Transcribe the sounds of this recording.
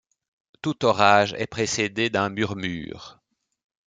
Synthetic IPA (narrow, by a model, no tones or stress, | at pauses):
t̪ut̪ɔʁaʒɛ̰pχesed̪ed̪ɛ̃myʁmy̰ːʁ